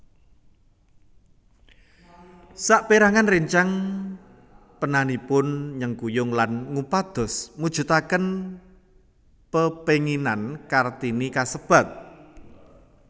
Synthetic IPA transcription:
saʔpeɾaŋanriɲt͡ʃaŋ | pənanipʊnɲəŋkujʊŋlanŋupad̪̥ɔ̤smud̥ʒ̥ṳt̪akən | pəpeŋinankart̪inikasəb̥a̤t̪̚

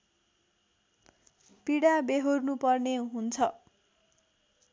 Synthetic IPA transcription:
piɽabeɦornupʌrneɦunt͡sʰʌ

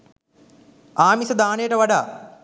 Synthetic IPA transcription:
aːmisɐd̪aːneːʈɐʋɐɖaː

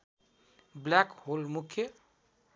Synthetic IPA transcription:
blakholmukʰːjə

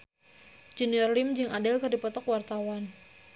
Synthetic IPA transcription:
d͡ʒɛniɔrlimd͡ʒɨŋadɛlkɨrdipɔt̪ɔkwart̪awan

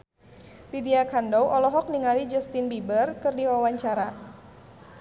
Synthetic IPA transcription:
didiakandɔwʔɔlɔɦɔk̚niŋalid͡ʒəst̪inbibərkɨrdiwawaɲt͡ʃaɾa

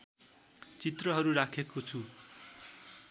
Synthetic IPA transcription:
t͡sit̪rʌɦʌɾuɾakʰekot͡sʰu

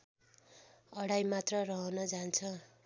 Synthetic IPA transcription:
ʌɽajmat̪rʌrʌɦʌnʌd͡zant͡sʰʌ

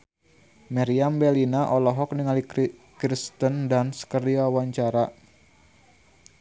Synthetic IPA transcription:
maɾiambɛlinaʔɔlɔɦɔk̚niŋali | kɾist̪əndansə̥kərdiwawaɲt͡ʃaɾa

